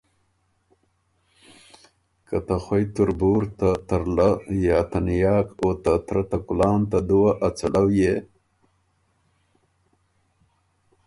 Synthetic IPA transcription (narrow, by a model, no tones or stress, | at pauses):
kat̪axwejt̪uɾbuːɾt̪at̪aɾlajat̪anjɑːkot̪at̪ɾat̪akulɑːnt̪ad̪uwaʔat͡saɽawje